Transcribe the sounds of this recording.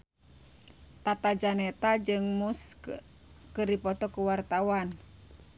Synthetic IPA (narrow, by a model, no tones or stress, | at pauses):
t̪at̪ad͡ʒanɛt̪ad͡ʒɨŋmus | kɨrdipɔt̪ɔkuwart̪awan